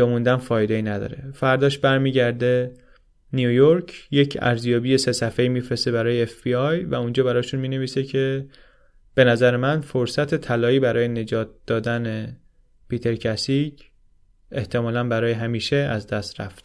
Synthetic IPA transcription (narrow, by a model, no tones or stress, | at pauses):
emund̪ænfɒːjed̪eiːnæd̪ɒ̰ːɾe̞̰fæɾd̪ɒːʃbæɾmiːɟæɾd̪e̞ | niujoɾcʰje̞cʰæ̰ɾzjɒːbiːje̞se̞sæfeiːmiːfɾe̞se̞βæɾɒːjeːfb̥iɒjvæund͡ʒɒːbæɾɒːʃunmiːne̞viːsecʰe̞ | b̥e̞næzæɾemænfoɾsæt̪ʰe̞t̪ʰælɒːiːbæɾɒːje̞ne̞d͡ʒɒːt̪̚d̪̥ɒːd̪æne̞ | piːt̪ʰe̞ɾcʰæsiɟ | eht̪ʰe̞mɒːlænbæɾɒːje̞ɦæmiːʃe̞æzd̪æst̪ɾæ̰ft̪